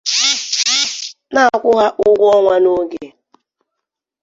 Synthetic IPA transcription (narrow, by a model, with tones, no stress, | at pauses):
na˦˨kʷʊ˦ɦa˦ʔʊ˦ɡʷɔ˦ŋʷa˦no˦ɡe˨